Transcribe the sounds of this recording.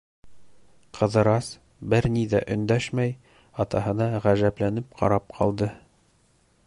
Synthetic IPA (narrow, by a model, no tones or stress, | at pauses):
qʰɤ̆ðɤ̆ɾɑs | bɘɾniðæʔɵ̆nd̪æʃmæj | ɑt̪ɑɦɤ̆nɑʁæʒæplænɘp̚qʰɑ̰ɾɑp̚qʰɑ̰lˠd̪ɤ